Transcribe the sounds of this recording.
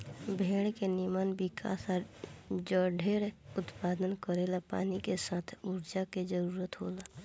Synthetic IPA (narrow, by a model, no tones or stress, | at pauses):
bʱeːɽkenɪmanbɪka̰ːsad͡ʒəɖʱeːɽʊt̪paːd̪ənkəɾeːlapa̰ːnikesaːt̪ʰuːɾd͡ʒaked͡ʒəɾuːɾət̪ɦoːlaː